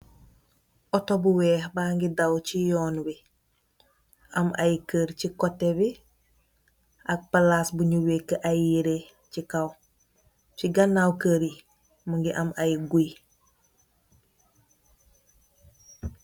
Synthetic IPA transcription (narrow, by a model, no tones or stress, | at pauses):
ɔtobuwɛːhbaːŋɡidawt͡ʃijɔːnbi | amajkəɾt͡ʃikotːebi | ʔak̚palaːsbuɲuwekːəʔajiɾe | cikaw | ciɡanːawkəɾi | muŋɡiʔamajɡuj